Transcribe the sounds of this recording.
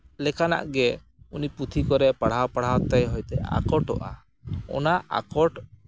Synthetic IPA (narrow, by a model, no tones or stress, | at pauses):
lɛkana̰ʔɡɛ | uniput̪ʰikɔɾɛpaɽ̤awpaɽ̤awt̪ajɦɔjt̪ɛa̰kɔʈɔ̰ʔa̰ | ɔ̰naa̰kɔʈ